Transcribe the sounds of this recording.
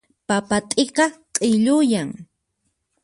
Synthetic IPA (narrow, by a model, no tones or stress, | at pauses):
papat̪ʼeqɑqʼɪʎʊjaŋ